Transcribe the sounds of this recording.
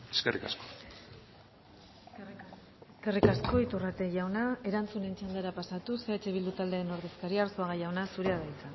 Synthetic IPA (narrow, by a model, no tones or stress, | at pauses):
eskerḭkasko̥ | ke̞rikasko̞it̪urat̪e̞ʝawnae̞ɾant͡sune̞nt͡ʃand̪aɾapasat̪useat͡ʃe̞βild̪ut̪ald̪e̞ːno̞ɾðe̞skaɾiaɾsoaɣaʝawnasuɾe̞aðait͡san